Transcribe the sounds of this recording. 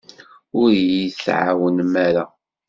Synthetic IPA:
ʊɾjisʕa̰wənmæɾa

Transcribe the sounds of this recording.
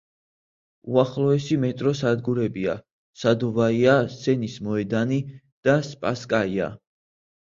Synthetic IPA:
uaχlˠɔɛsimɛt̪ʼɾɔsad̪ɡuɾɛbia̰ | sad̪ɔvaiasɛnismɔɛd̪ani | d̪̥aspʼaskʼaia̰

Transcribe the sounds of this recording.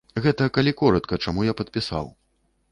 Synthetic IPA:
ɣɛt̪ɐkalʲikɔɾɐt̪kɐt͡ʂamujapɐt̪̚pʲisa̰w

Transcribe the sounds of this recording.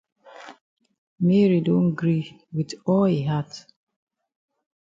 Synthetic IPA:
mɛɹidõnɡɹiwidɔlhiɦat

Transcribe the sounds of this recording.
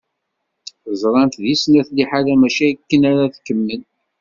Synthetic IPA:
əzˤɾˤɑnt̪ðisnæθliħalæmæʃæjikːənæɾaθkːəmːən

